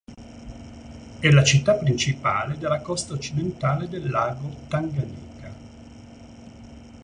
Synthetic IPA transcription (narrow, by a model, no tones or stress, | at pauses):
ɛlat͡ʃit̪ːapːɾint͡ʃipa̰ːled̪elːakɔst̪aot͡ʃːid̪ent̪aːled̪elːaːɡot̪aŋɡaniːka